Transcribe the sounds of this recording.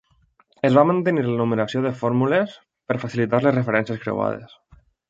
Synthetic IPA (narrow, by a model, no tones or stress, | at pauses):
ezβamant̪əniɾlənumeɾasioðəfɔɾmules | pəɾfasilit̪aɾlezrefeɾɛnsjəskɾḛw̰a̰ð̞ḛs